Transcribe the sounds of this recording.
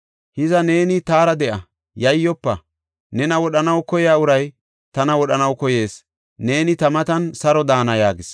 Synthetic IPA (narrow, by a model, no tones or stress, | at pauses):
hɪzɐne̞ːnɪt̪aːɾɐd̪ɛʔɐ | jɐjːɔpːɐ | nɛnɐwɔɗɐnɐwkɔjjaːʊɾɐj | t̪ɐnɐwɔɗɐnɐwkɔje̞ːs | ne̞ːnɪt̪ɐmɐt̪ɐnsɐɾɔd̪aːnɐjaːɡɪs